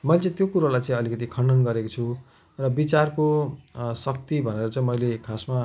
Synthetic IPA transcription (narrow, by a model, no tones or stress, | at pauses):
mʌjlet͡sʌ̃ĩt̪jokuɾalajt͡sʌ̃ĩʌlikʌt̪̬ikʰʌɳɖʌnɡʌɾekot͡sʰu | rʌbit͡sarkosʌk̚t̪ibʱʌneɾʌt͡sʌ̃ĩmʌjlekʰasma